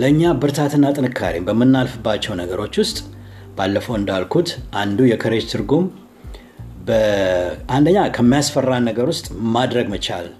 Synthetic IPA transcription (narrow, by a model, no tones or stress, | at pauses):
ləɨɲːabɨɾt̪ʰat̪ʰɨnːat̪ʼɨnɨkʰːa̰ɾḭmbəmːɨnːalfɨbːat͡ʃːɛwnəɡəɾo̞t͡ʃːwʊst̪ʼ | b̥alːəfəwɨnd̪alkʰut̪ʔand̪ujɛkʰəɾe̞d͡ʒt̪ʰɨɾɡum | bəʔand̪əɲːakʰəmːijasfərːanːəɡəɾwʊst̪ʼmad̪ɾəɡmət͡ʃa̰l